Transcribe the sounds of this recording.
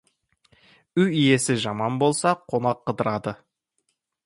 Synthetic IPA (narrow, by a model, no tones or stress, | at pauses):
ʏjije̞sɪʒɑmɑnbo̞lˠsɑqʰo̞nɑqʰːəd̪əɾɑd̪ə